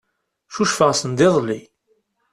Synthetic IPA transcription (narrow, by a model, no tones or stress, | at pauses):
ʃuʃfəʁsənd̪ɪðˤlːi